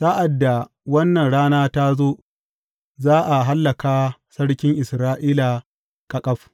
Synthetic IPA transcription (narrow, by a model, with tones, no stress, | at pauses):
sa˦ʔa˨dːa˨ | wɐ˦nːɐ˨nɽaː˦naː˦ta˦zoː˦ | zaː˦ʔa˨ɦa˦lːɐ˨kaː˦sɐ˦ɽkʲɪ˦ŋʔɪ˨sɾaː˦ʔiː˦la˨ | kʼa˨kʼɐ˦ɸ